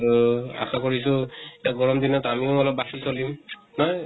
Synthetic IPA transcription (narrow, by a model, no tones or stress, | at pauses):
a̰xakoɹisʊeaɡɔɹɔmdinɔtamiʊɔlɔp̚basisolimnɔj